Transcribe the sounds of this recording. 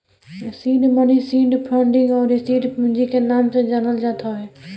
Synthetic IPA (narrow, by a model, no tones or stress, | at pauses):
sĩːɖmənisĩːɖpʰə̃ɳɖɪ̃ŋɡɔːɾɪsiːɖpʊ̃nd͡ʒikenaːmsed͡ʒaːnəld͡ʒaːt̪ʰaɦɛː